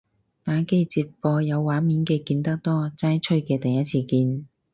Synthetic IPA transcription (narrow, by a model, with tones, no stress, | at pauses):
t̪aː˨˥ke˥jt͡siː˧p̚fɔː˧jɐ˨˧wːaː˨˥miː˨˥nkɛː˧kiː˧nt̪ɐ˥k̚t̪ɔː˥t͡saː˥jt͡ʃʰɵ˥ɥkɛː˧t̪ɐ˨˩jɐ˥t̚t͡sʰiː˧˩kiː˧n